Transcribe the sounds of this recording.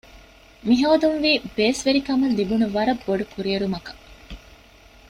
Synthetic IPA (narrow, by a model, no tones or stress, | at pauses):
miɦɐːd̪unʋiːbeːsʋeɾikɐmɐnd̪ibunuʋɐɾɐbːoɖukuɾieɾumɐkɐ̥